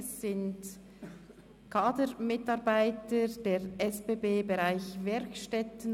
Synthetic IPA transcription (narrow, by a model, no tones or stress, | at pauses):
sːɪnt | kʰaːdəɾmɪtɑɾbaɪtəd̥eːɾʔɛsbeːbeːbeʁaɪçvɛɾkʃtɛtn̩